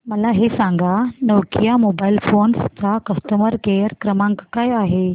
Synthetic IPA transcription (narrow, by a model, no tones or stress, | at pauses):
məlaɦesaŋɡanəʋkijamobailfonst͡sakəst̪əməɾɡeəɾkɾəmãŋkkajaɦe